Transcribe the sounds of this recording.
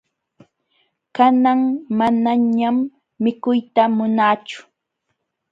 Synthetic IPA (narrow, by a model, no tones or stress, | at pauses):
kanaŋmanaɲamː | ɪkʊjt̪amʊnaːt͡ʃʊ̥